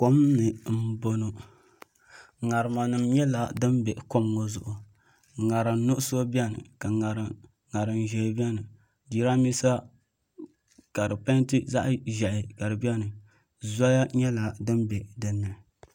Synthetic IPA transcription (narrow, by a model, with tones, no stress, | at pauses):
ko˦mnɨ˨m̩˦bo˦no˨ | ŋa˨ɾɨ˨ma˨nɨ˨mɲɛ˦la˨dɨ˦mbɛ˨ʔko˦mŋo˨zʊ˨ʔʊ˨ | ŋa˨ɾɨ˨m˦nʊ˦ʔʊ˦so˦bi˦a˦nɨ̰˨ka˨ŋa˨ɾɨ˨ | ŋa˨ɾɨ˨nʒɛ˨bi˦ɛ˦nɨ˨ | di˦ɾa˦mi˦sa˦ | ka˨dɨ˨pa˦ntɨ˦za̰˦ʔʒɛ˨ʔɪ˨ka˨ɾɨ˨bi˦a˦nɨ˨ | za˦ja˦ɲɛ˦la˨dɨ˦mbɛ˨dɨ˦nːɨ˨